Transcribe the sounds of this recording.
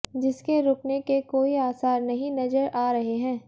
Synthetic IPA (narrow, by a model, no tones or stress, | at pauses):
d͡ʒɪskeɾʊːknekekoːiaːsaːɾnɐɦĩnɐzəɾaːɾɐɦeɦɛ̃ː